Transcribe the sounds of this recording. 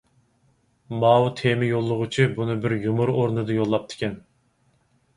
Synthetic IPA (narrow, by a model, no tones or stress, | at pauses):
mɑːwut̪ʰemɪjolˠːʊʁʊt͡ʃʰibunɨbɪɾjumuɾoɾnɨd̪ɨjolˠːɑp̚t̪ʰɪ̥kʲʰɛn